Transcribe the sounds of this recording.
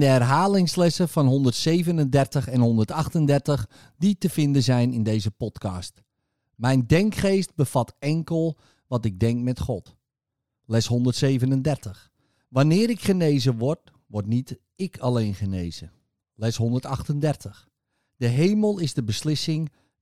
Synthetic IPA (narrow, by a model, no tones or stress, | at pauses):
ndəɛrɦaːlɪŋslɛsəfɑnɦɔndərtseːvənəndɛrtəχɛnɦɔndərtɑχtəndɛrtəχ | ditəfɪndəzɛjnɪndejzəpɔtkɑst | mɛjndɛŋkχeːst̚bəfatɛŋkəlˠ | ʋɑtɪɡ̚dɛŋk̚mɛtχɔt | lɛsɦɔndərtseːvənəndɛrtəχ | ʋanɪːɾɪkχənejzəʋɔrt̚ | ʋɔrtnit | ɪkʰalejnχəneːzə | lɛsɦɔndərtɑχtəndɛrtəχ | d̥əɦejməlˠɪzdəbəslɪsɪŋ